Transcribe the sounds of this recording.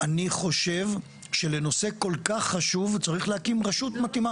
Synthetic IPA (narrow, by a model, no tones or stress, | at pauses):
aniχo̞ʃe̞v | ʃe̞le̞no̞se̞ko̞lkaχːaʃuvt͡saʁiχlehakimʁaʃut̪mat̪ima